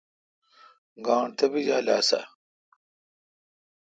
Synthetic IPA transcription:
ɡaːɳt̪ʰɐbid͡ʑaːla̰ːsa̰

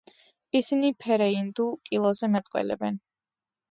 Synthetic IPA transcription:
isinipʰɛɾɛind̪ukʼilˠɔzɛmɛt̪ʼqʼwɛ̰lɛ̰bɛn

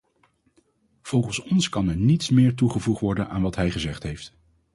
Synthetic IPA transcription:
v̥ɔlˠχənsɔnskɑnɛɹnitsmɪːɹtuχəvuχtʋɔɹdəna̰ːnʋɑtɦɛjχəzɛχtɦejft

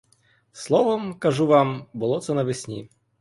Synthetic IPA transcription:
slˠɔʋɔmkɐʐuʋambʊlˠɔt̪sɛnɐʋɪsʲnʲḭ

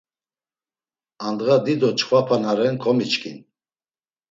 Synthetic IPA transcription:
and̪ɣad̪id̪ɔt͡ʃʰʼχwapʰanaɾɛnkʰɔmit͡ʃkʰḭn

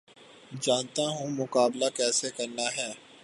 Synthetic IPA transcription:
d͡ʒaːnt̪aɦũmʊkaːblakɛːsekɐɾnaɦɛː

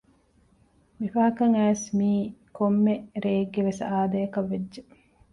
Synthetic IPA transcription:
mifɐɦɐkɐŋæːsmiːkomːeɾeːɡːeʋesaːd̪ɐjɐkɐʋːedːʒe

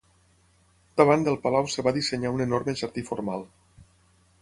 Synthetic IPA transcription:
d̪əβand̪əlˠpalawsəβaðisəɲaunenɔɾməʒəɾt̪ifoɾmalˠ

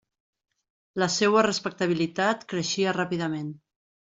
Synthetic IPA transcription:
ləsɛwərəspək̚t̪əβ̞ilit̪at̪kɾəʃiərapiðəmen

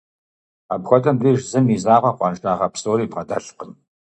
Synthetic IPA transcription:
a̰bxʷɔtʰɐmriːʒzɨmiːzaːʁʷɐqʷɑnʃʼaːʁɐpʰsoːɾiːbqɐdɐɬqən

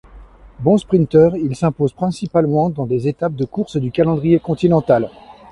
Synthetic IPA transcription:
bɔ̃spχĩnt̪œʁilsɛ̃pozpχɛ̃sipalmɑ̃d̪ɑ̃d̪ezet̪ap̚d̪əkuʁsd̪ykalɑ̃d̪ʁijekɔ̃t̪inɑ̃t̪al

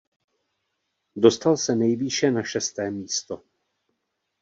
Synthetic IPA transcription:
do̞st̪alsɛnɛjviʃɛnaʃɛst̪ɛːmiːst̪o̞

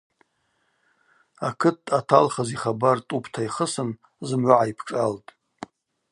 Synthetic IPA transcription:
akʰɨtʰːatʰalχaziχabartʼupʰtʰaiχəsɨn | zɨmʕʷʊʕaipʰʈ͡ʂʼaltʼ

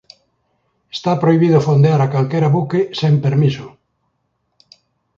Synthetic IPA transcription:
est̪apɾoiβ̞iðʊfond̪eaɾakalkeɾaβukesempeɾmiso

